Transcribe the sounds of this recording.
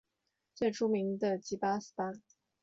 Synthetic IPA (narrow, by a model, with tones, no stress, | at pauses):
t͡swɛ˥˩ʈ͡ʂu˥mi˧˥ŋd̪ə˧t͡ɕi˧˥pa˥s̩˥pa˥